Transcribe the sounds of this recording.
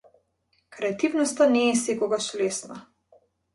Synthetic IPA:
kɾɛat̪ivnɔst̪anɛsekɔɡaʃlesna

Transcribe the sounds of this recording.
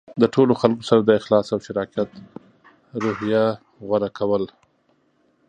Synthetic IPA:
d̪əʈʰoloxalkosaɾad̪əɪxlɑsawʃɪɾɑkjat̪ | ɾohja | ɣwaɾakʰawəl

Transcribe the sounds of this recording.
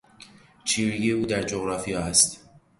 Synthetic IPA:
t͡ʃʰiːɾijijeuːd̪æɾd͡ʒoɣɾɒːfijɒːæst̪

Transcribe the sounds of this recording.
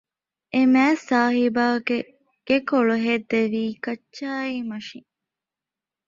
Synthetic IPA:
ʔemæːsaːɦibaːke | ɡ̥ekoɭuɦed̪eʋiːkɐʃaːiːmɐʃiŋ

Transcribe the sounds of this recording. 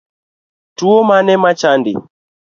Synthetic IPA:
tuɔmanɛmat͡ʃandḭ

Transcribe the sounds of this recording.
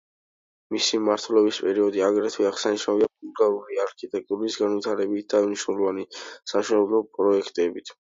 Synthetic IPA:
misimaɾt̪ʰwɛlɔbispʼɛɾiɔd̪iaɡɾɛt̪ʰwɛaʁsaniʃaviapʼulɡalˠuɾiaɾkʰit̪ʼɛk̚t̪ʼuɾisɡanvit̪ʰaɾɛbit̪̚ʰd̪̥auniʃnɛlˠɔvanisaʃɛnɛblˠɔpʼɾɔɛkʰt̪ʼɛbit̪ʰ

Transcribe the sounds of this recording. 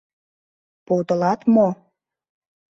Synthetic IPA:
pot̪əlɑt̪mo

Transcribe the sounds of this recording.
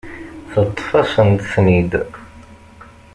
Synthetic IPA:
θət̪ˤːfɑsənt̪snid̪

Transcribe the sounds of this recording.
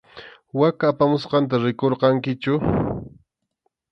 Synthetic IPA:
wakaːpamʊsqɑnt̪̬aɾɪkoɾqɑŋkɪt͡ʃʊ

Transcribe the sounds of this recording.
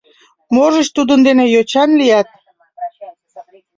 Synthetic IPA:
moʒəʃt̪ud̪ənd̪enejot͡ɕɑnlijɑt̪̚

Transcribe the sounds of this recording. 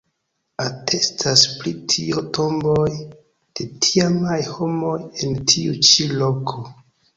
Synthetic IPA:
atʰe̞stʰaspɾitʰioto̞mboj | d̥e̞tʰiamajho̞mo̞je̞ntʰiut͡ʃilo̞kʰo̞

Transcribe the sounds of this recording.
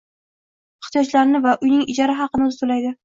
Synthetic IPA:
ɪχt̪ijɒt͡ʃlaɾnɪvaʔʊjnɪŋɪd͡ʒaɾɪɦɑqɨnɪʊzt̪ʰolajd̪ɪ

